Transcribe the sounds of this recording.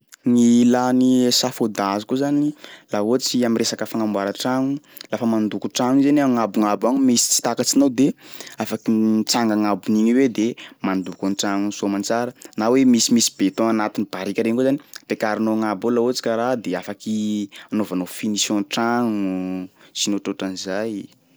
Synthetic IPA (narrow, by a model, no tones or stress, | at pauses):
ŋilanisafod̪azukuzanilaot͡siaminresakəfaŋamwaɾəʈ͡ʂaŋu | lafəmand̪ukuʈ͡ʂaŋizenaŋabuŋabaɲumisi̥t͡si̥t̪akat͡sinawd̪eafakit͡saŋɡaŋabuniɲiwed̪emand̪ukunʈ͡ʂaŋusomant͡saɾənawemisimisi̥bet̪oanat̪inib̥aɾikʲaɾeɲkuzaniapekaɾinoŋabolaot͡si̥kaɾad̪eafakianovanofinisjɔ̃ʈ͡ʂaŋusinoʈ͡ʂoʈ͡ʂanizaj